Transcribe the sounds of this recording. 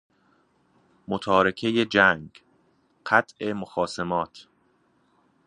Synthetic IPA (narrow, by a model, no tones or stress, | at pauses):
mot̪ʰɒːɾekʰejed͡ʒæŋɡ | ɢæt̪ʰʔe̞moxɒːsemɒːt̪ʰ